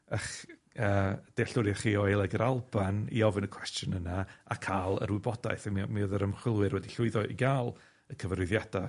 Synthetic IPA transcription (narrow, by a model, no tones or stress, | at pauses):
əχəːd̥eɬʊɾjaχiːɔɨlˠɛɡəɾalˠbanḭɔvɨnəkʰw̥ɛstjɔnənaakʰalˠə̰ɾwʊbɔdaɨθamimiəðəɾəmχwɪlˠwɨɾwɛdiɬʊɨðɔʔḭɡaːlˠ | əkʰəvəɾʊɨðjad̥a